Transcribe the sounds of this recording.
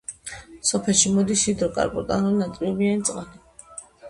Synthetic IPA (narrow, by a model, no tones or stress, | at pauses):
sɔpʰɛlʃimɔd̪isʃid̪ɾɔkʼa̰ɾbʼɔɾk̪ʼa̰nalinat̪ʼiɔbianit̪sʼqʼani